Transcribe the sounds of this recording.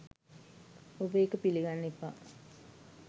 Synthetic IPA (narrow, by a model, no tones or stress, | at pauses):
obəekəpiliɡanːepa̰ː